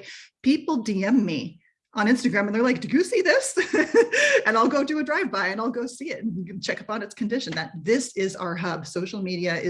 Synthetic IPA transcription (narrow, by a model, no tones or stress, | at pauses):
pʰipl̩ˠdiɛ̃mːi | ʔə̃nɪ̃nstɨɡɹæ̃m̃n̩ðə˞laɪk̚d̥ɨjɨsiðɪs | ɨ̃naɪlˠɡoʊɾɨɨdɹaɪvbaɪɨ̃naɪlˠɡoʊsiɪtn̩nt͡ʃʰɛkʌpn̩ɨtskʰndɪʃɨ̃n̩ðɨt̪̚ðɪsɪza̰ʊə˞ɦʌb̥soʊʃl̩ˠmiɾiɨɪ